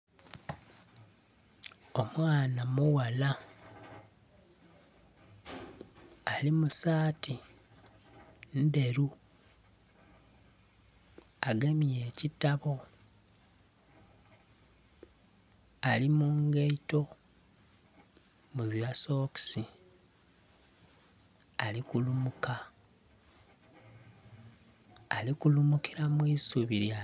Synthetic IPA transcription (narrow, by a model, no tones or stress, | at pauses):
o̞mwaːnamuwala | limusaːti | nde̞ɾu | aɡemije̞ːcitaβo̞ | alimuŋɡeito̞ | muziɾaso̞ːksi | alikulumuka | likulumukiɾamwiːsuβiɾja